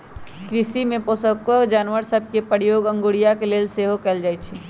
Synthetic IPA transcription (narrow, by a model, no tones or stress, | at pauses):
kɾɪsimẽpoːsəkəkd͡ʒaːnʋəɾsɐb̚kepəɽjoːɡɐ̃ŋɡoːɽijakeleːlseːɦokɛld͡ʒaːit͡ʃʰi